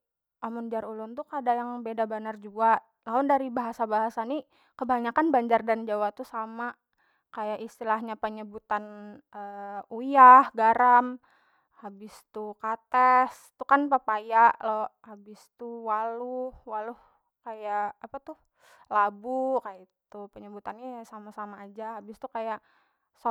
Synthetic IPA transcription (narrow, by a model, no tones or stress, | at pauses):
ʔamund͡ʒaɾulʊnt̪ukadajaŋbedabanard͡ʒuaʔ | laʊndaɾibaɦasabaɦasani | kəbaɲakanbaɲd͡ʒardand͡ʒawat̪usama | kajaʔist̪ilaɦɲapəɲəbut̪anəujahɡaɾam | habɪst̪ukat̪ɛs | t̪ukanpəpajaʔlohabɪst̪uwaluhwaluh | kajaʔːpat̪uh | labukajait̪upəɲəbut̪anasamasamaːd͡ʒaɦabɪst̪ukajaʔ | s